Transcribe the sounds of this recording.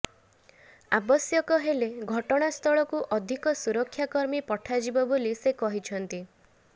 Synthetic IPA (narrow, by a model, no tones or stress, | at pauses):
abɔsjɔkɔɦeleɡʱɔʈɔɽ̃ast̪ʰɔɭɔkuʔɔd̪ʱikɔsuɾɔkʰjakɔɾmipɔʈʰad͡ʒibɔbolisekɔɦit͡ʃʰɔnt̪i